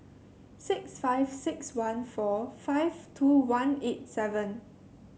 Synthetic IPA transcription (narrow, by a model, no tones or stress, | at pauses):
sɪksfaɪv̥sɪkswãnfɔfaɪvtʰuwãnet̚sɛvə̃n